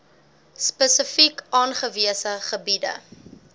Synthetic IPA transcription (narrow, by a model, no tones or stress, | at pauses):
spəsəfikʔɑːnχəviəsəχəbidə̰